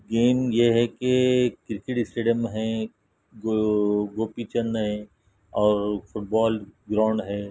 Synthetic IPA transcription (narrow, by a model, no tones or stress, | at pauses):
ɡeːmjeɦɛkekɪɾkɪʈɪsʈeːɖijəmɦɛ̃ | ɡoːpit͡ʃə̃nd̪ɦɛ̃ | ɔːɾfʊʈ̚bɔːlɡɾaːɳɖɦɛː